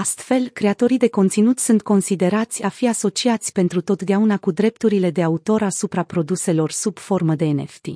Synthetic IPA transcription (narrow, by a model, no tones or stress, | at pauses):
ast̪fe̞lkɾe̞at̪o̞ɾijd̪e̞ko̞nt̪sinut̪sunt̪̚ko̞nsid̪e̞ɾat̪sʲafiaso̞t͡ʃiat̪sʲpe̞nt̪ɾut̪o̞t̪d̪eaunakud̪ɾe̞pt̪uɾile̞d̪e̞aut̪o̞ɾasupɾapɾo̞d̪use̞lo̞rsub̥fo̞rməd̪e̞ːnḛft̪ḭ